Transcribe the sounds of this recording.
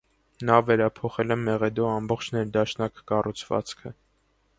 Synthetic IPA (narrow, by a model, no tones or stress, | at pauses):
nɑvɛɾɑpʰɔχɛlɛmɛʁɛd̪ɔɑmbɔχt͡ʃʰnɛɾd̪ɑʃnɑkkɑrʔut͡sʰvɑ̰t͡skʰə